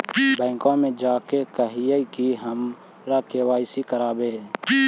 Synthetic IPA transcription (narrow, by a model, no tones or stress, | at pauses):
bɛ̃ːŋkãːmẽːd͡ʒaːkeːkəɦijeikiɦəm | ɾaːkeːʋaːɪsiːkəɾaːbeː